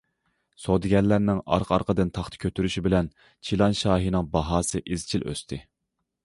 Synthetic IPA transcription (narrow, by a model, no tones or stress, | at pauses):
sod̪ɪɡʲɛnlːæɾnɪŋɑ̰ɾqʰɑ̰ɾqʰəd̪ɨnt̪ʰɑχt̪ʰɨ̥kʲʰøt̪ʰyɾyʃibɪlɛn | t͡ʃʰilˠɑnʃɑːɦinɨŋbɑɦɑːsɨʔizt͡ʃʰilʔø̰st̪ʰɪ